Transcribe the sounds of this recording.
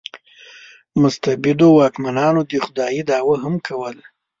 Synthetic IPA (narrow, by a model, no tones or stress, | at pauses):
mʊst̪abɪd̪owɑkmanɑnod̪əxʊd̪ɑjid̪ɑwaɦamkʰawəl